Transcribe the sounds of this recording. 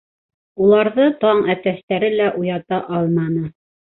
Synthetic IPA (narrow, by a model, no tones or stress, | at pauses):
ulˠɑɾðɤt̪ɑɴæt̪æʃt̪æɾɘlæʔujɑt̪ɑʔɑlˠmɑnɤ